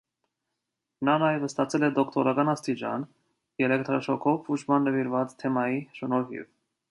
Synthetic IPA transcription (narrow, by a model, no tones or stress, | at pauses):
nɑnɑjɛvəst̪ɑt͡sʰɛlɛd̪ɔkt̪ʰɔɾɑkɑnɑst̪it͡ʃɑ̰n | jɛlɛk̚t̪ɾɔʃɔkʰɔvut͡ʃʰmɑnːəviɾvɑt͡st̪ʰɛmɑjiʃənɔɾɦḭv